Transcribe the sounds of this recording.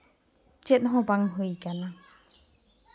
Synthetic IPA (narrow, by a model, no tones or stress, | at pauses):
t͡ʃɛt̪̚ɦɔ̃baŋɦɯjkana